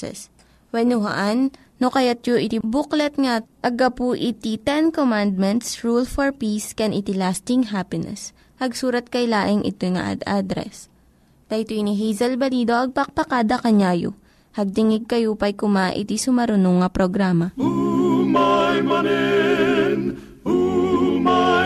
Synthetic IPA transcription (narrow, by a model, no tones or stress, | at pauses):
ɛ̰s | wɛnʊɦa̰ʔanː | okɐjat̪̚joʔɪt̪ibuklɛt̪̚ŋaʔɐɡɐpuʔɪt̪it̪ɛnkomand̪̚mɛnt̪sɹulfɔɹpiskɛnʔɪt̪ilast̪ɪŋɦapɪnɛ̰s | hɐɡsuːɾɐt̪̚kɐjlaːʔɪŋʔɪ̰t̪ojŋɐ̰ʔa̰d̪ad̪ɾɛ̰s | t̪ɐt̪oniɦɛjzɐlbɐlid̪o̞ʔɐɡ̚pɐk̚pɐkad̪ɐkɐɲaːjo̰ | hɐɡ̚t̪ɪŋɪɡ̚kɐjupɐjkʊmaʔɪ̰t̪isʊmɐɾʊnoŋːɐpɾoɡɾaːmɐ